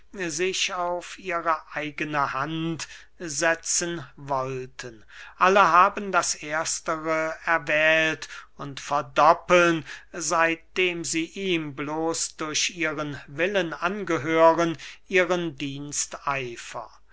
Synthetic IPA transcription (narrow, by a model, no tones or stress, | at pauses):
zɪʃaʊfʔiːʁəʔaɪɡənəhant | zɛt͡sənvɔltʰən | ʔaləɦaːbn̩daseːɐstəʁəɛɐvɛːltʊntfɛɐdɔpl̩nzaɪt̚d̥eːmziːʔiːmbloːsd̥ʊɐɕʔiːʁənvɪlənanɡəɦøːʁənʔiːʁəndiːnstaɪfɐ̰